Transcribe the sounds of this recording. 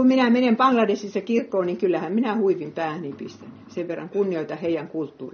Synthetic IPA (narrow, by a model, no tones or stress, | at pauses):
umminæmenempɑŋɡlɑdesisːɑkirkːoːniŋkylːæhæmminæhuiʋimpæːhnipist̪ænyseʋʋerːɑ̰ŋkunːioit̪ɑheijæŋkult̪ːuːri